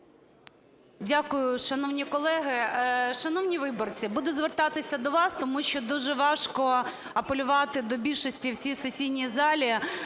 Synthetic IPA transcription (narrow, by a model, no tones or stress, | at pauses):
dʲakʊjʊʃɐnɔwnʲikɔlˠɛɦɪʃɐnɔwnʲiʋɪbɔrt͡sʲibud̪ʊzʋert̪ɑt̪ɪsʲɐd̪ɔʋɑst̪ɔmuʃt͡ʃɔd̪uʒɛʋɑʃkɔ | ɐpelʲʊʋɑt̪ɪd̪ɔbʲilʲʃɔsʲtʲiwt͡sʲisesʲijnʲizɑlʲi